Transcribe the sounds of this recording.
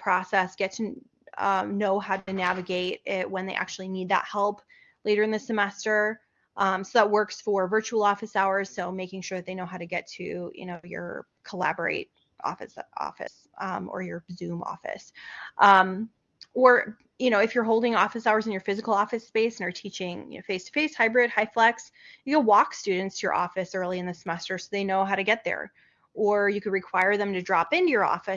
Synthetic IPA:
pʰɹ̥ɔsɛsɡ̥ɛtʰɨ | ʌ̃noʊɦaʊɾɨnævɨɡeɪɾɪt̚wə̃nðeɪʔæ̰k̚t͡ʃʉl̩ˠinid̪̚ðə̰t̚hɛlˠp | leɪɾə˞ɨ̃nðɨsɨmɛstə˞ | ʔʌ̃msoʊðət̚wɜ˞ksfə˞vɜ˞t͡ʃul̩ˠɔfɨsaʊə˞z̥soʊmeɪkɪ̃ŋʃʊɹðɨt̪̚ðeɪnoʊɦaʊɾɨɡɛtʰʉjɨ̰noʊjə̰˞ | kʰəlæ̰bə˞ḛɪɾ̚ | ʔɔ̰fɨ̰sɔ̰fɨ̰s | ʌ̃mə̰˞jə˞zʉ̃mɔ̰fɨ̰sʔʌ̃m | ə˞ | jɨñoʊɨfjə˞ɦoʊlˠdɪ̃ŋɔfɨsaʊə˞zɨ̃njə˞fɪzɨkl̩ˠɔfɨspeɪsnə˞tʰit͡ʃɪ̃ŋjɨ̰noʊfeɪstʰə̥feɪshaɪbɹɪd̚haɪflɛksjɨɡəwɔkstʉdⁿn̩tstʰɨjə̰˞ʔɔfɨsɜ˞lˠiɨ̃nðɨsmɛstə˞soʊðeɪnoʊɦaʊɾɨɡɛt̪̚ðə̰˞ | ʔə˞jɨkɨd̚ɹɨkʰw̥aɪə˞ðɨ̃mtɨdɹɑpɪ̃ntɨjə˞ɔ̰fɨ

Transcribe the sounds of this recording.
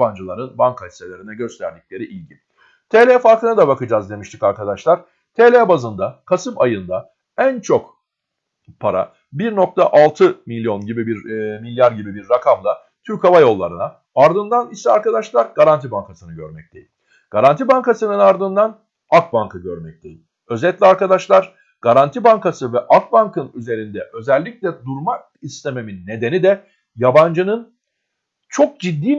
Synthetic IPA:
band͡ʒɯlˠaɾɯnbaŋkʰahʲiselʲe̞ɾinɛɟø̞st̪ʰæɾd̪ic̚lʲe̞ɾiʔilʲɟi | t̪ʰelʲeɛfaɾkɯnɯd̪abakɯd͡ʒazd̪e̞miʃt̪ʰi̥kaɾkad̪aʃlˠaɾ̥ | t̪ʰelʲebazɯnd̪akʰasɯmajɯnd̪a | ænt͡ʃʰo̞k | pʰaɾa̰ | biɾno̞k̚t̪ʰaʔalˠt̪ʰɯmilʲːjo̞nɟibibiɾmilʲjaɾɟibibiɾːakʰamlˠa | t̪ʰyɾkavajo̞lˠːaɾɯna | aɾd̪ɯnd̪anisɛaɾkad̪aʃlˠaɾɡaɾant̪ʰibaŋkʰasɯnɯɟø̞̰ɾmɛc̚t̪ʰe̞jilʲ | ɡ̥aɾant̪ʰibaŋkasɯnɯnaɾd̪ɯnd̪an | ak̚baŋkʰɯɟøɾmɛc̚t̪ʰe̞̰jḭlʲ | ø̞zɛt̪lʲiaɾkad̪aʃlˠaɾ | ɡ̥aɾant̪ʰibaŋkasɯvɛʔak̚baŋkɯnyze̞ɾind̪ɛʔø̞zɛlʲːiclʲɛd̪uɾma | ist̪ʰe̞me̞minːe̞d̪e̞nid̪ɛ | jaband͡ʒɯnɯn | t͡ʃʰo̞k̚d͡ʒid̪ːiː

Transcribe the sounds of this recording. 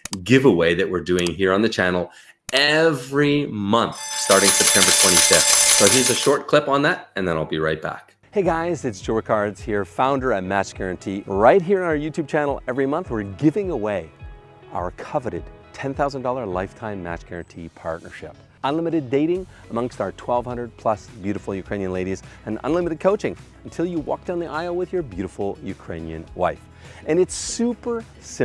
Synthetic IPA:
ɡɪvəweɪðɨʔ̚wɪɹdʉɪ̃ŋɦiɹə̃nðɨt͡ʃʰænl̩ˠ | ɛvɹimʌ̃nθstɑɹɾɪ̃ŋsɛp̚tʰɛ̃mbə˞tʰw̥ɛ̃ɾ̃ifɪftsoizɨʃɔɹt̚kʰl̥ɪpn̩ðæɾɨ̃nðə̃naɪlˠbiɹaɪt̚b̥æ̰k | heɪɡaɪzɨtsʒ̥ɔɹkʰɑɹdz̥hiɹfãʊ̃ndə˞ɨt̚mæt͡ʃɡ̥ɛɹɨ̃ntʰiɹaɪt̚ɦiɹɨ̃naʊə˞jʉtʰʉb̚t͡ʃʰænl̩ˠɛvɹimʌ̃nθwɨɹɡɪvɪ̃ŋəweɪ | aʊə˞kʰʌvɨɾɨd̚tʰɛ̃nθaʊz̃n̩dɔlˠə˞laɪftʰãɪ̃mːæ̰t͡ʃɡ̥ɛɹɨ̃ntʰipʰɑ̰ɹtⁿnə̰˞ʃɪ̰p̚ | ə̃nlɪ̃mɨɾɨdeɪɾɪ̃ŋ | əmʌ̃ŋstaʊə˞tʰw̥ɛlˠv̥hʌ̃ndɹəd̚pʰl̥ʌsb̥jʉɾəfl̩ˠjɨkʰɹ̥ẽɪ̃njɨ̃nleɪɾizɨ̃nə̰̃nlɪ̃mɨɾɨd̚kʰoʊt͡ʃɪ̃ŋ | n̩tʰɪlˠjɨwɔ̰k̚d̥ãnðiʔaɪwɨðjə˞bjʉɾəfl̩ˠjʉkʰɹ̥ḛ̃ɪ̃njɨ̰̃nwa̰ɪf | ɨ̃nɨtsʉpə˞ | sɪ̃

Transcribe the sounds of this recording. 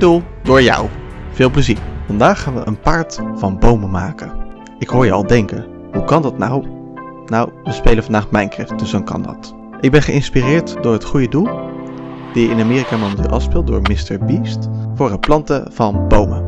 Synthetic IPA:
dulˠdʊːɹjɑ̰wv̥ɪːlˠpləziːɹvɑndaːχaːnʋəʔə̰npaːɹtfɑnbowməmaːkə | ɪkɦʊːɹjəɑ̰lˠdɛŋkən | ɦukɑndɑtna̰w | nawʋəspejləvɑndaːχtmɛjnkɪɹd̥ɵsɔnkɑ̰ndɑ̰t | ʔɪɡ̚bɛnχəʔɪnspirɪːɹtdʊːɹɦətχujədulˠ | d̥ijəɪnamɪːrikaːmowmətɪ̰lˠʔˠɑ̰fspɪlˠt̚dʊ̰ːɹmɪstəɹbistfʊːɹəplɑntəv̥ɑnbowmə

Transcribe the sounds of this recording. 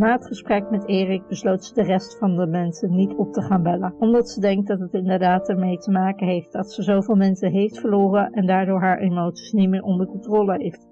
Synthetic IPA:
naːətχəsprɛkmɛteːrɪk̚bəslowtsədərɛstfɑndəmɛnsənːitɔp̚təχaːnbɛlənɔmdɑtsədɛŋk̚dɑtɦətɪndəɹdaːtəɹmejtəmaːkəɦejft̚dɑtsəzowvɪːlˠmɛnsəɦejftfəɹloːrəʔɛndaːɹdʊːɹɦaːɹʔemowtsi̥snitmɪːɹʔɔndəɹkɔntroːləɦejft

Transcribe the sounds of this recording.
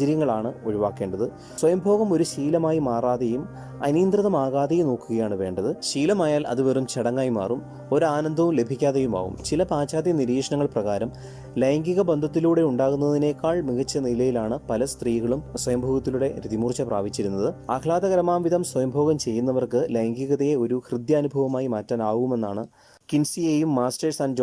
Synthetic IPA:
ɐɾjɐŋːɐɭaːɳɨoɻiʋaːkːe̞ːɳɖɐðɨ | swɐjɐmbʱo̞ːɣɐmo̞ɾuɕiːlɐmaːjimaːraːðɐjum | ɐ̰niːnd̪rɨðɐmaːɣaːðɐjumno̞ːkːuɣɐjaːɳɨʋe̞ːɳɖɐðɨɕiːlɐmaːjaːlʔɐ̰ðuʋɐrumt͡ɕeɽɐŋːaːjma̰ːrum | o̞ɾaːnɐnd̪ʱɐʋumle̞bʱikʲːaːðejuma̰ːɣṵmt͡ɕilɐpaːt͡ɕaːd̪jɐniɾiːʂɐɳɐŋːɐɭprɐɣaːɾɐm | lejŋɡiɣɐbend̪ʱɐt̪̬ːiluːɽe̞uɳɖaːɣunːɐðine̞kːaːɭmiɣɐt͡ɕːɐnilɐjilaːɳɨpɐlɐst̪riːɣɐɭumswɐjɐmbʱoːɣɐt̪ːiluɽe̞ɾiðimuːrt͡ɕːɐpra̰ːʋit͡ɕːiɾunːɐðɨaːkʰlaːd̪ɐɣɐɾɐmaːmʋiðʱɐmswɐjɐmbʱoːɣɐmt͡ɕe̞jːunːɐʋɐrkɨlejŋɡiɣɐðɐjeo̞ɾuhrɨd̪jɐːnubʱɐʋɐmaːjimaːtːɐːnaːɣuɣume̞nːaːɳɨ | kinsieːjumːaːstɐrsaːnd͡ʑ

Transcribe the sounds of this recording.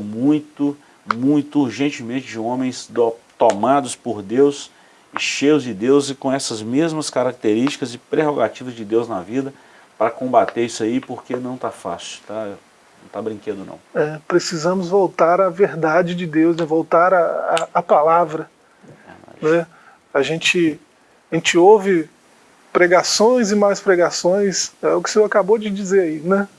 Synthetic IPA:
mũj̃t̪ʊ | mũj̃t̪ʊuɾʒẽnt͡ʃɪmẽnt͡ʃɪd͡ʒɪõmẽj̃sd̪ot̪omad̪ʊspoɾd̪ews | ɪʃejʊzd͡ʒɪd̪ewzɪkõɛsɐzmezmɐskaɾak̚t̪eɾiʃt͡ʃi̥kɐzɪpɾeɦoɡat͡ʃivɐzd͡ʒɪd̪ewznɐvid̪ɐ | pɾɐkõbat̪eɾisɐipoɾkenɐ̃w̃t̪afa̰sʊ̥t̪a | nnɐ̃w̃t̪abɾĩked̪ʊnɐ̰̃w̃ɛpɾesizɐ̃mʊzvowt̪aɾɐveɾd̪ad͡ʒɪd͡ʒɪd̪ewznɛvowt̪aɾɐaːpalavɾɐ | v̰a̰nɛ | aʒẽt͡ʃɪ | aʒẽt͡ʃɪowvɪ | pɾeɡasõj̃zɪmajspɾeɡasõj̃sɛʊkɪ̥seakabod͡ʒɪd͡ʒizeɾainɛ

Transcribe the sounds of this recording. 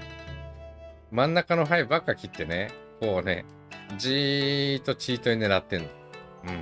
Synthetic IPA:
mãnːakano̞ɦaibakːakʲit̪ːe̞nekoːne̞̰ | d͡ʑit̪ːo̞t͡ɕiːt̪o̞ine̞ɾat̪ːẽ̞no | ɯ̟̃ɴ

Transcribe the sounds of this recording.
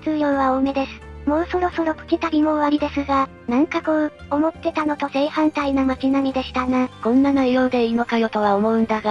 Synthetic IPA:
t͡sɨːjo̞ːβaome̞d̪e̞sɨ̥mo̞ːso̞ɾo̞so̞ɾo̞kɯ̥kʲit̪aɾʲimo̞βaɾʲid̪e̞sɨɡa | nãŋkakoː | omo̞t̪ːe̞t̪ano̞t̪o̞ze̞ːhãnt̪ainamakʲinamʲid̪e̞ɕi̥t̪anakõ̞nːanajo̞ːd̪e̞ino̞kajo̞t̪o̞β̞aomo̞ɯ̟̃nd̪aɡa

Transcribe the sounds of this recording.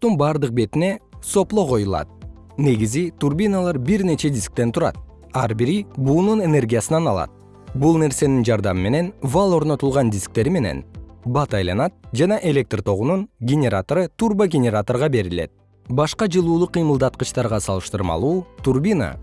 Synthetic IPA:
t̪unbɑːɾd̪ɯq̚be̞t̪ine̞so̞plˠo̞qo̞julˠɑ̰t̪̚ | ne̞ɡizit̪urbʲinalˠɑɾbiɾne̞t͡ʃe̞d̪ʲisk̚t̪e̞nt̪ʰuɾɑ̰t̪̚ | ɑɾbiɾibuːnune̞ne̞rɡʲijasɯnɑnɑlˠɑ̰t̪̚ | bulˠne̞ɾse̞nind͡ʒɑɾd̪ɑmɯme̞ne̞nvalˠo̞ɾno̞t̪ulˠʁɑnd̪ʲisk̚t̪e̞ɾime̞ne̞̰nbɑt̪ɑjlˠɑnɑt̪̚d͡ʒɑnɑʔe̞lʲe̞k̚t̪rt̪ʰo̞ʁununɡʲenʲe̞ɾat̪oɾɯt̪urbaɡʲenʲeɾat̪o̞rʁɑbe̞ɾile̞̰t̪̚ | bɑʃqɑd͡ʒɯlˠuːlˠuqːɯjmɯlˠd̪ɑt̪̚qɯt͡ʃt̪ɑɾʁɑsɑlˠɯʃt̪ɯɾmɑ̰lˠuːt̪urbʲina̰

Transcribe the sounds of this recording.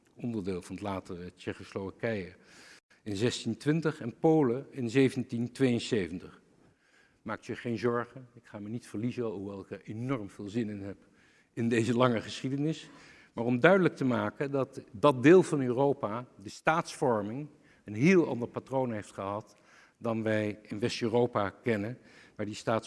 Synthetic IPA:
ɔndəɹdɪːlˠvɑnətlaːtərət͡ʃɛχosloʋakɛjə | ɪnzɛstintʋɪntəχɛnpowləɪnzejvəntintʋejənsejvəntəχ | maːk̚tjəχejnzɔɹχəɪkχaːmənitfəɹlizəɦuʋɛlˠɪkəɹenɔɹmv̥ɪːlˠzɪnɪnɦɛp | ɪndejzəlɑŋəχəsχidənɪs | maːɹɔmdœɥdələk̚təmaːkəndɑtdɑt̚dɪːlˠvɑnøːrowpadəstaːtsfɔɹmɪŋ | ənɦɪːlˠɑ̰ndəɹpatrownɦejftχəɦɑt | dɑnʋɛjɪnʋɛstøːrowpakɛnənmaːɹdistaːt

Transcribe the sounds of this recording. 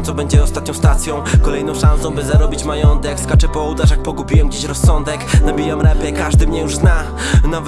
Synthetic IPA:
t̪sɔbɛɲd͡ʑɛɔst̪at̪̚ɲɔ̃w̃st̪at̪sʲjɔ̃w̃kɔlɛjnɔ̃w̃ʂãnsɔ̃w̃bɘzaɾɔbʲit͡ɕmajɔnt̪ɛkskat͡ʂɛpɔwd̪aʐaxpɔɡupʲijɛwɡd͡ʑeɕɾɔsːɔnd̪ɛknabʲijamɾɛmpʲɛkaʐd̪ɘmɲɛjuʐzna | nav

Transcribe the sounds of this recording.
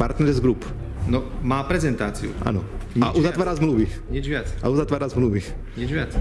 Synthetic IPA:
paɾt̪nɛɾɛzɡɾupnɔmaːpɾɛzɛnt̪aːt͡siṵʔa̰nɔɲaʔuzat̪ʋaːɾaːzmluːʋiɲɛd͡ʒʋɪat͡sa̰uzat̪ʋaːɾaːzmluːʋi | ɲɛd͡ʒʋɪat͡s

